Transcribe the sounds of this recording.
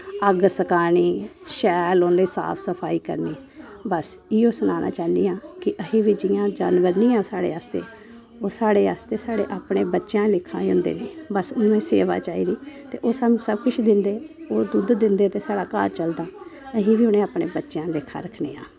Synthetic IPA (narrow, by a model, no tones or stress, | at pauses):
əɡsəkaːniːʃɛːlonɾiːsa̰ːpʰsəpʰaːiːkə̰ɾniːbəsiːoːsənaːnʔa̰ːt͡ʃaːniːãːkɪʔəɦiːʋiːd͡ʒɪjãːd͡ʒaːnʋəɾniːãːsaːɽḛːaːst̪ḛː | oːsaːɽeːaːst̪eːsaːɽeːʔaːpɳeːbətːʃjãːlɪkʰːã̰ːiʊ̃nd̪ḛːneːbəsʊnõːẽːsḛːʋa̰ːt͡ʃaːḭːd̪iːt̪ḛːʔoːsanũːsəb̚kʊt͡ʃʰd̪ɪnd̪eːoːd̪ʊd̪d̪ɪnd̪eːt̪eːsaːɽaːka̰ːɾt͡ʃəld̪aːəɦĩːʋiːʊnẽːaːpɳeːbətːʃjãːlɪkʰːa̰ːɾəkʰnḛːa̰ː